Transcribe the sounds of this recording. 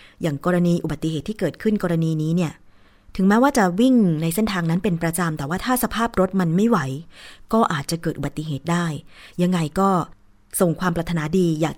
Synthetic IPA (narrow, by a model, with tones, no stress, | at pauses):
jaː˨˩ŋkɔː˧ɾa˧niː˧ʔu˨ba˨˩t̪ːi˨heː˨˩t̪ʰːiː˥˩kɤː˨˩t̪̚kʰɯ˥˩nkɔː˧ɾa˧niː˧niː˦˥ni˥˩ɐ | t̪ʰɯ˩˦ŋmɛː˦˥waː˥˩t͡ɕa˨˩wi˥˩ŋna˧jse˥˩nt̪ʰaː˧ŋna˦˥npe˧npɾa˧t͡ɕa˧mt̪ɛː˨˩waː˥˩t̪ʰaː˥˩sa˧pʰaː˥˩p̚ɾo˦˥t̪̚ma˧nma˥˩jwa˩˦jkɔː˥˩ʔaː˨˩t̪̚t͡ɕa˨˩kɤː˨˩ʔu˨ba˨˩t̪ːi˨ɦeː˨˩t̪̚daː˥˩jja˧ŋːa˧jkɔː˥˩ | so˨˩ŋkʰwaː˧mpɾa˧t̪ʰːa˧naː˩˦diː˧jaː˨˩k̚